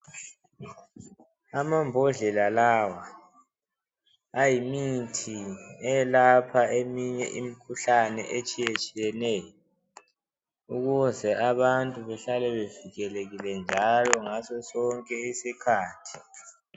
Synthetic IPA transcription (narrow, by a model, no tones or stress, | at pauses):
amambʱɔɮɛlalawa | ajimitʰiɛlapʰaemiɲɛ̰ʔimikʰuɬanɛ̰ʔet͡ʃʼijet͡ʃʼijɛnɛjɔ | uɣuzɛaβantʼuβɛɬalɛβeviɣɛleɣilɛnd͡ʒʱalɔŋasɔsɔŋkʼɛisikʰaːtʰi̥